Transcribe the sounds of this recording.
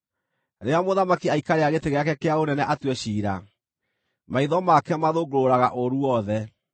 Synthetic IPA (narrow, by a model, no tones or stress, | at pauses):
ɾeamoðamakiaikaɾeaɣeteɣeakɛkeaonɛnɛʔatwɛɕiːɾa | maiðɔmakɛmaðoɡoɾoɾaɣaʔoɾuɔðɛ